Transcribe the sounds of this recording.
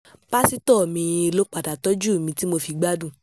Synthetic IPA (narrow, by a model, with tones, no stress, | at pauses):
pa˦si˦tɔ˦˨mĩ˧e˧lo˦k͡pa˨da˨tɔ˨˦d͡ʒu˦˨mĩ˧ti˦mo˧fi˧ɡ͡ba˦dũ˦˨